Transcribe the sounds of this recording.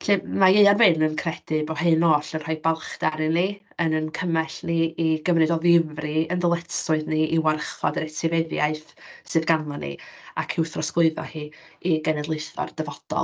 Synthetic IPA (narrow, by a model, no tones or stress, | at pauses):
ɬɨmajeɨarvɪnənkʰrɛd̥ɪbɔhenɔːɬənr̥aɨbalˠχd̥aɾɨni | ənənkʰəmɛɬniiɡəvrɨdɔðɪvriənðəlˠɛtsʊɨðniiwarχɔ̰dəɾɛtʰɪvɛðjaɨθsɨðɡanɔnḭa̰kʰɪwθrɔsklˠʊɨðɔ̰hiːiɡɛnɛdlˠɨjθɔ̰rd̥əvɔd̥ɔ̰lˠ